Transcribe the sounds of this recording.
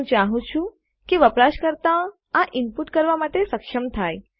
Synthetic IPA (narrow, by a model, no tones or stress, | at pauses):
ũt͡ʃaɦũt͡ʃʰũ | keʋəpɾaʃkəɾt̪a | aʔɪmpuʈkəɾʋamaʈesəkʃəmt̪ʰaj